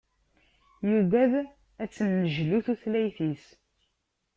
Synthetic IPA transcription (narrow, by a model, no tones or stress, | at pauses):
juvæð | æt͡sːənːəʒluθuθlæjθis